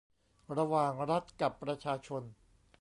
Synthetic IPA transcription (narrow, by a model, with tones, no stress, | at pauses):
ɾa˧waː˨˩ŋɾa˦˥t̪̚ka˨˩pːɾa˧t͡ɕʰaː˧t͡ɕʰo˧n